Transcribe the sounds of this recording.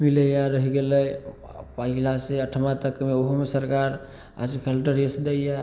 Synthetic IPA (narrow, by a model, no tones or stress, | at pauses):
miləjaɾəɦiɡeləj | pəɦilaseəʈʰəmãt̪əkmeoɦomesəɾkaɾ | a̰d͡ʒkʰelʈəɾesd̪eja